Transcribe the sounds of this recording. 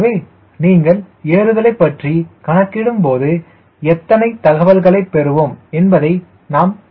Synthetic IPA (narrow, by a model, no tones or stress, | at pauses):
ʋeː | niːŋɡɐɭ | eːɾɯðɐlɐɪpːɐʈrikɐnɐkːɪɽɯmpoːðɯ | ɛt̪ːɐnɐɪt̪ɐɣɐʋɐlɣɐɭɐɪpːɛɾɯʋoːmɛnbɐðɐɪ | naːm